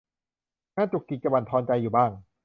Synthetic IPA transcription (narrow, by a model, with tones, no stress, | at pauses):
ŋaː˥˩t͡ɕu˨˩kːi˨˩t͡ɕa˧wa˨˩nt̪ʰɔː˧nt͡ɕa˧jːuː˨˩baː˥˩ŋ